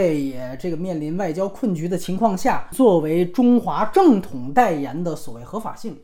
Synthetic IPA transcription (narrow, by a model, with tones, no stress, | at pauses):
ɪjɛ˨˩ʈ͡ʂɤ˥˩ɡə˩mjɛ˥˩nli˧˥nwa˥˩ɪt͡ɕjɑ˥ʊkʰwə˥˩nt͡ɕy˧˥d̪ə˧t͡ɕʰi˧˥ŋkʰwɑ˥˧ŋɕja˥˩t͡swɔ˥˩we˧˥ɪʈ͡ʂʊ˥ŋxwa˧˥ʈ͡ʂɤ˥˩ŋt̪ʰʊ˨˩ŋt̪a˥˩ɪjɛ˧˥nd̪ə˧˨swɔ˨˩we˥˩ɪxɤ˧˥fa̰˨˩ɕi˥˩ŋ